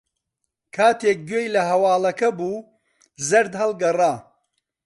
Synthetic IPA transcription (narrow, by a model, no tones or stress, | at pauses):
kʰaːt̪ʰeːk̚ɡɥeːjlɐɦɐwaːlɐkɐbuː | zɐɾd̪hɐlˠɡɐraː